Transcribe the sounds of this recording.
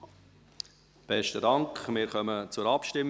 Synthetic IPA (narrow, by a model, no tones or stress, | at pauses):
b̥ɛʃtədɑŋkχmɪːɾχœmət͡sʊɾɑpʃtɪmː